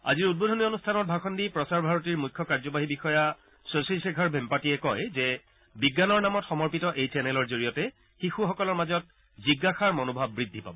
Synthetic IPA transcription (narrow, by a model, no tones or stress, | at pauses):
a̰ziɹut̚bodʱɔnionustʰanɔt̚bʱakxʰɔndipɹɔsaɹbʱaɹɔtiɹmujkʰːɔkaɹzɔbaɦibixɔja | sosalsekʰaɹbʱɛmpatiɛkɔjzɛ | biɡːanɔɹnamɔtxɔmɔɹpitɔʔejsɛnɛlɔɹzoɹijɔtɛ | xixuxɔkɔlɔɹmazɔt̚ | ziɡːaxaɹmɔnobʱabːɹidʱːipa̰bɔ